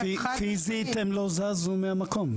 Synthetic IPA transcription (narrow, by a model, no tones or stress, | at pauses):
fizit̪emlozazumeamakom